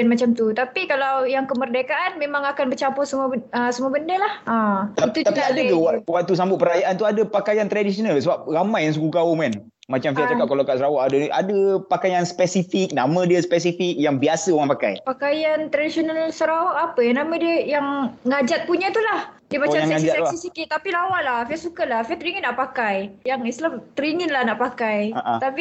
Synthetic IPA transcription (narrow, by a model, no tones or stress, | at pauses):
nmat͡ʃamt̪ut̪apikalawjaŋkəmərdekaʔanmẽmãŋakanbət͡ʃampɔsəmuəəsəmuəbəndəlahat̪at̪ut̪apiadauwawaʔt̪us̬ambʊt̪̚pəɾajaʔant̪uadəpakajant̪ɾadisionalsəbap̚ɾamãjaŋsəɡukaʊmkan | mat͡ʃamfiat̪akaʔkalakaʔsəɾawaʔadaʔa̰dəpakajaŋspɛsifik̚namə̃diəspɛs̬ifik̚jaŋbiasəoɣaŋpaka̰jpakajant̪ɾadisionalsəɾawaʔapəjaŋnamãdiəjaŋŋad͡ʒat̪̚puɲãt̪ulah | diəbat͡ʃaaŋɛad͡ʒat̪sisikit̪ːapilawaʔlahfiasukalahfiat̪əɾiŋɪnːaʔpakajjaŋislat̪əɾiŋinlahnaʔpakajaʔt̪api